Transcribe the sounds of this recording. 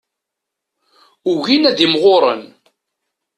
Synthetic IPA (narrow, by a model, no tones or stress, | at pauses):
uʝinæðimʁoɾˤə̰n